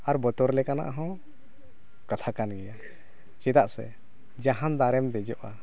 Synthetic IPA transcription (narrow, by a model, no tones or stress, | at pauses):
aɾbɔt̪ɔɾlɛkana̰ʔɦɔ̃ | kat̪ʰakanɡɛja | t͡ʃɛt̪aʔsɛ̰ | d͡ʒaɦand̪aɾɛmd̪ɛd͡ʒɔʔa